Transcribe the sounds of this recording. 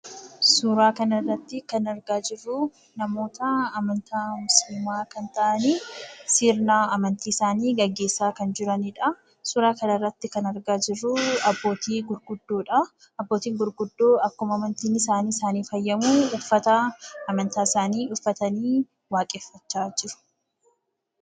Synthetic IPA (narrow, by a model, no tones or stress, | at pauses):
sʊɾaːkɐnɐrːɐt̪ːɪkɐnɐɾɡaːd͡ʒɪrːʊ | nɐmo̞ːt̪ɐːmɐnt̪ʰaːmʊslɪmaːkɐnt̪ɐʔɐniːsiːɾnaːɐmɐnt̪iːɪsaːniːɡɐɡːeːsːaːkɐnd͡ʒɪɾɐnɪᶑɐ | sʊɾaːkɐnɐrːɐt̪ːɪkɐnɐɾɡaːd͡ʒɪrːʊɐbːo̞ːt̪iːɡʊɾɡʊd̪ːoːᶑɐ | ɐbːo̞ːt̪iːŋɡʊɾɡʊd̪ːoːɐkːʊmɐmɐnt̪iːnɪsaːniːsaːniːfɐjːɐmuʊfːɐt̪ɐːmɐnt̪aːɪsaːniːʔʊfːɐt̪ɐniː | waːkʼeːfːɐt͡ʃːaːd͡ʒɪɾʊ̥